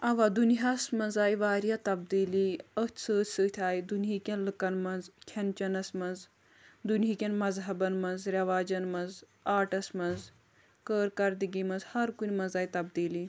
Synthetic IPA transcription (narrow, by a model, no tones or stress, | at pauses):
ɐʋaːd̪uniɦaːsmɐnzaːiʋaːɾijaːt̪ɐbd̪iːliət̪ʰʲsəːt̪ʰʲsəːt̪ʲʰaːid̪unɦiːkʲɐnlɨkɐnmɐnzkʲʰɐnt͡ʃɐnɐsmɐnz | d̪unɦikʲɐnmɐzɦɐbɐnmɐnzɾʲɐʋaːd͡ʒɐnmɐnz | aːʈɐsmɐnz | kəːɾkɐɾd̪iɡimɐnzhɐɾkunʲmɐnzaːit̪ɐbd̪iːli